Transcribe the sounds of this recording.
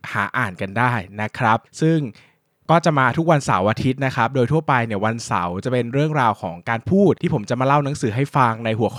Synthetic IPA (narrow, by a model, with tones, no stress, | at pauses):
ha̰ː˩˦ʔaː˨˩nka˧ndaː˥˩jna˦˥kʰɾa˦˥p̚sɯ˥˩ŋ | kɔː˥˩t͡ɕa˨˩maː˧t̪ʰu˦˥k̚wa˧nsa̰˩˦wʔaː˧t̪ʰi˦˥t̪̚na˦˥kʰɾa˦˥p̚doː˧jt̪ʰu˥˩əpa˧jni˥˩əwa˧nsa̰˩˦wt͡ɕa˨˩pe˧nɾɯ˥˩əŋɾaː˧wkʰɔː˩˦ŋkaː˧npʰuː˥˩t̪̚ʰːiː˥˩o˩˦mt͡ɕa˨˩ʔmaː˧la˥˩wna˩˦ŋsɯː˩˦ɦa˥˩jfa˧ŋna˧jɦu˨˩˦kʰ